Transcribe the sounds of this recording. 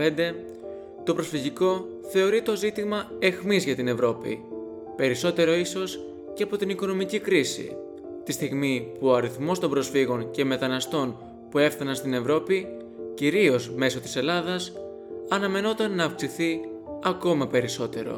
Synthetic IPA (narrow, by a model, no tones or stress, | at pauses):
end̪e̞ | t̪o̞pɾo̞sfiʝiko̞ | θe̞o̞ɾit̪o̞zit̪imɐe̞xmizʝɐt̪ine̞vɾo̞pḭ | pe̞ɾiso̞t̪e̞ɾo̞iso̞s | ceɐpo̞t̪iniko̞no̞micikɾisḭ | t̪ist̪iɣmipuoɐɾiθmo̞st̪o̞mbɾo̞sfiɣo̞ɲce̞me̞t̪ɐnɐst̪o̞n | pue̞fθɐnɐnst̪ine̞vɾo̞pi | ciɾio̞zme̞so̞t̪i̥se̞lɐðɐs | ɐnɐme̞no̞t̪ɐnːɐːfksiθiɐko̞mɐpe̞ɾiso̞t̪e̞ɾo̞̰